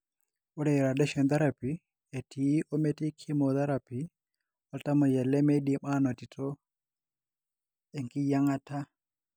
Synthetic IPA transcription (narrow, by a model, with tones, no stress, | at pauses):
u˦ɾɛ˨jɾa˨dɛ˦ʃɔ˨nd̪a˦ɾa˨pi˨ | e˨tʰi˨˦ʔɔ˦me˦ti˦kʰi˦mo˨t̪a˦ɾa˨pi˨ | ɔ˦lta˦mɔ˨jɛ˨lɛ˦me˦di˨ma˦nɔ˨ti˨tʰɔ˦ | ɛ˨ŋki˦ja˦ŋa˦ta˦